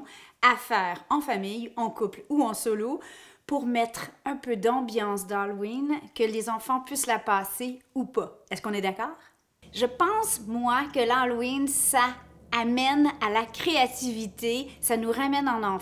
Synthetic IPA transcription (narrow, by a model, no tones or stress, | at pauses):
afɛːʁɑ̃famijɑ̃kupluɑ̃sɔlopuʁmɛt̪χɛ̃pød̪ɑ̃bjɑ̃sd̪alwinkəlezɑ̃fɑ̃pɥislapaːseupaɛskɔ̃nɛd̪akɔːʁ | ʒəpɑ̃smwakəlalwinsaːmɛnalakʲχeat̪ivit̪esanuʁamɛnɑ̃nɑ̃